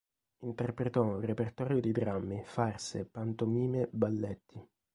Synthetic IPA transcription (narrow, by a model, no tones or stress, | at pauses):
int̪ɛrpɾet̪ɔũrepert̪ɔːɾjod̪id̪ɾamːifarsepant̪omiːmebalːɛt̪ːi